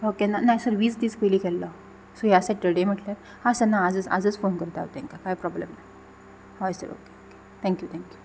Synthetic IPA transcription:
okenanajsəɾʋiːt͡sd̪iːt͡skəlikʰɛlːɔ | sojasɛʈ̚ɖəɽem̤əʈljat̪ | hãsanːaːd͡zət͡sa̰d͡zət͡sfonkəɾt̪aɦot̪əɛ̃ŋkakaɦjpɾɔblemna | hajsə̰ɾo̰keoke̥ | t̪ʰɛ̃ŋkjut̪ʰɛ̃ŋkju

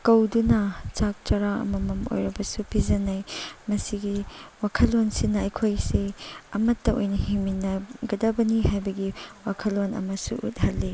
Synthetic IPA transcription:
kɐwdunɐt͡ʃak̚t͡ʃɐɾaɐ̰mɐmɐmo̰jɾɐbɐsupʰizɐnajmɐsiɡiwakʰɐlonsinːɐɐjkʰojsiɐmɐtːɐʔojnɐhiminɐɡɐdɐbɐnihajbɐɡiwakʰɐlːonɐ̰mɐsṵʔṵt̚hɐlːi

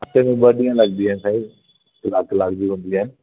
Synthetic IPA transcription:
ɐʈ̪emẽɓɐɗĩjãlɐɡnd̪iaːɪnɪsaːi | kɪlaːklaːɡd͡ʑiɦũːnd̪iaːɦɪnɪ

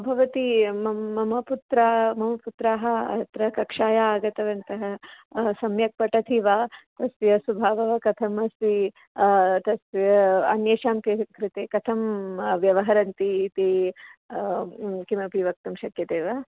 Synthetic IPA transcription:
bʱɐʋɐt̪imɐːɐmɐput̪ɾaːmɐmɐput̪ɾaːɦɐɐ̰t̪ɾɐkɐkʂaːjaaːɡɐt̪ɐʋɐnt̪ɐɦɐ | sɐmjɐk̚pɐʈɐt̪ʰiʋaːt̪ɐsʋjɐsubʱaːʋɐʋɐkɐt̪ʰɐmɐsi | t̪ɐsɐ̰njeːʃaːmkikɾɪt̪eːkɐt̪ʰɐmʋjɐʋɐɦɐɾɐnt̪iːt̪i | kimɐpiʋɐk̚t̪ɐmʃɐkjɐt̪eːʋaː

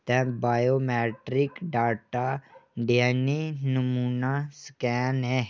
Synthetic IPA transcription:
t̪ɛ̃baːjoːmɛːʈɾɪkɖaːʈaɖjaninəmuːnaskɛːnɦɛ

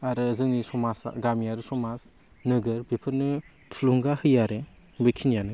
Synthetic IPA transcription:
aɾɯzɯŋnisɔmasa̰ɡamijaɾɯsɔmas | nɯɡɯɾbipʰɯɾnɯ | tʰuluŋɡahɯjaɾe | bikʰinjanɯ

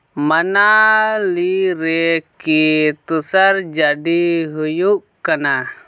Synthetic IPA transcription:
manaliɾɛkit̪usaɾd͡ʒaɖiɦujuʔ | kana

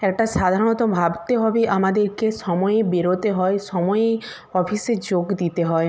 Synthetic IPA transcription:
ɛkʈasad̪ʱaɾɔɽ̃ɔt̪ɔbʱabt̪eɦɔbiʔamad̪eɾkesɔmɔjebiɾot̪eɦɔesɔmɔje | ɔpʰised͡ʒoɡd̪it̪eɦɔe

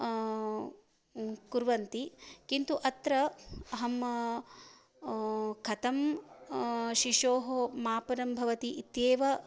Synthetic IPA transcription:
kuɾʋɐnt̪ikint̪uʔɐt̪ɾɐɐɦɐm | kʰɐt̪ɐm | ʃiʃoːɦomaːpɐɾɐmbʱɐʋɐt̪iʔit̪jeːʋɐ

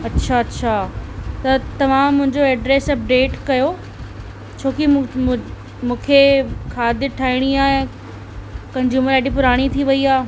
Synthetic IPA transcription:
ɐtːɕʰaɐtːɕʰat̪ɐt̪ɐʋ̤ãmʊ̃ɦɪ̃ɲd͡ʑoɛɖɾeːsɐp̚ɖeːʈkɐjo | t͡ɕʰoːki | mũːkʰekʰaːd̪ɪʈʰaːiɽ̃iaːẽ | kɐ̃ɲd͡ʑjuːməɾeːɖipʊɾaːɽ̃it̪ʰiʋɐiaː

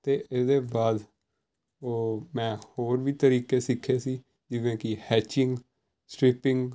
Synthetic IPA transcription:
t̪eːɪsd̪eːbaːd̪ | oːmɛ̃ːhoːɾʋiːt̪əɾiːkeːsɪkʰːeːsiː | d͡ʒɪʋẽːkɪhɛːt͡ʃɪŋɡ | sʈɾɪpɪ̃ŋɡ

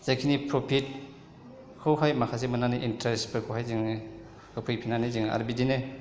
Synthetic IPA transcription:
z̥akʰinipʰɾopʰit̚ | kʰɯwɦajmakʰas̬emɯnaniʔintɾespɯɾkʰowɦajziŋ | ɯpʰɯjpʰinaniziŋa̰ɾbidine

